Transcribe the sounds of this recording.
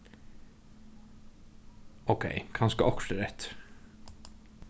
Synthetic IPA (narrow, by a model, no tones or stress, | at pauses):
oʊkʰḛɪkʰɑnskəʔɔkʃəɾɛt̪